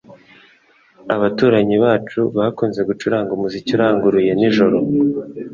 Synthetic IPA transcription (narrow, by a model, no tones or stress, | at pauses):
aβatuːɾaɲiβaːt͡ʃuβahakuːnze̞ɡut͡ʃuɾaːŋɡumuzicuɾaːŋɡuɾuje̞niʒo̞ɾo̞